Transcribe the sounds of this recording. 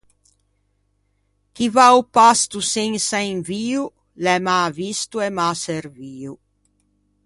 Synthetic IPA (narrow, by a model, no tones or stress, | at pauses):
k̟ivaupast̪useŋsaiŋviːu | lɛmavist̪uɛmaseɾviːu